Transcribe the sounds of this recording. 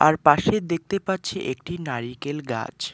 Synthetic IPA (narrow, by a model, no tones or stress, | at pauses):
aɾpaʃed̪ek̚t̪epatːt͡ɕʰeʔek̚ʈinaɾikelɡa̰d͡ʑ